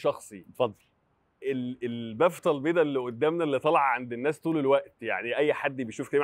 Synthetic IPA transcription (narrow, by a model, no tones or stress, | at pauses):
ʃɑxsˤifɑd̪ˤːl | ʔelelbæft̪ˤɑlbeːd̪ælːiʔod̪ːæːmnælːit̪ˤɑlɑʕʕand̪enːæːst̪ˤuːlelwæʔt̪ja̰ʕniʔæjːħad̪ːbejʃuːfkælim